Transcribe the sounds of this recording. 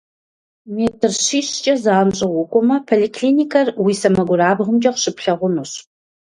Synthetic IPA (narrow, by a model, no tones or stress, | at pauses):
meːtʰɨrɕiːɕt͡ʃʼɐzaːmɕʼɪʁʷʊkʷʼɔmɐpʰolikʰɬinʲikʰɐrwiːsɐmɐɡʷʊraːbʁʊmd͡ʒʼɐqɕɨpʰɬɐʁʷʊnuɕ